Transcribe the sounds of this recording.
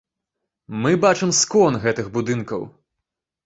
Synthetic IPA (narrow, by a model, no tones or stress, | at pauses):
mɨbat͡ʂɨmskɔnɣɛt̪ɨɣbud̪ɨnkɐw